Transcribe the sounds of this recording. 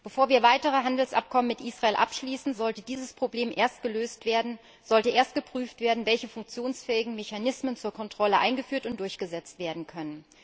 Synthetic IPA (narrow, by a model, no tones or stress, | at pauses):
b̥əfoːɐviːɐvaɪtəʁəɦandl̩sʔa̰p̚kʰɔmənmɪtʔiːsʁaeːlʔa̰pʃliːsn̩zɔltədiːzəspʁ̥obleːmʔeːɐst̚ɡ̥əløːstveɐ | z̥ɔltəʔeːɐstɡ̥əpʁ̥yːftv̥eːɐdn̩vɛlçəfʊŋk̚t͡sjoːnsfɛːɪɡŋ̩meçanɪsmənt͡suːɐkʰɔntʁ̥ɔləʔa̰ɪnɡəfyːɐtʊntd̥ʊɐçɡ̥əzɛt͡stv̥eːɐdn̩kʰœnən